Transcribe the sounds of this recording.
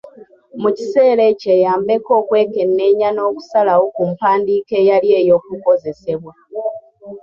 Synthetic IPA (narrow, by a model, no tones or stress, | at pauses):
mucise̞ːɾeceːjaːmbe̞ko̞ːkwe̞ːke̞nːe̞ːɲano̞ːku̥salawokum̩paːndiːke̞ːjalje̞ːjo̞ːkuko̞ze̞se̞βwa